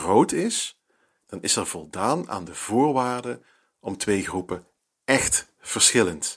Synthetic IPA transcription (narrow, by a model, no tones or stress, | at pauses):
rowtɪs | d̥ɑnɪsɛɹv̥ɔlˠdaːna̰ːndəv̥ʊːɹʋaːrdə | ɔmtʋejχrupə | ɛχt | fərsχɪlənt